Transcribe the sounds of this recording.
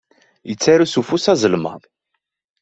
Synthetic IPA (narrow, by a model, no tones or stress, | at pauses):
jət͡sːaɾusufusæzəlmə̰ðˤ